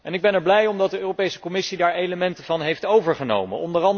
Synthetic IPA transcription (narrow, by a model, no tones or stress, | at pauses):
ɛnɪɡ̚bɛnɛɹblɛjɔmdɑt̚dəøːropejsə̥kɔmɪsidaːɹejləmɛntəvɑnɦejftowvəɹχəno̰wmə̰nɔndərɑn